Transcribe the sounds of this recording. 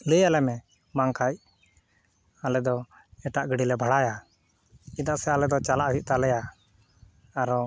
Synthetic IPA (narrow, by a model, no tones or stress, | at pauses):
ləjalɛmɛ | maŋkaj | alɛd̪ɔ | ɛʈaʔɡəɽilɛbʱaɽaja | id̪aʔsɛalɛd̪ɔt͡ʃalaʔɦiʔ̚t̪alɛja | aɾɔ